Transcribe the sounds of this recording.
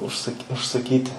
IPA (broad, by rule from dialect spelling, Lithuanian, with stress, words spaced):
ʊʃˈsɐkʲ ʊʃsɐˈkʲiːtʲɪ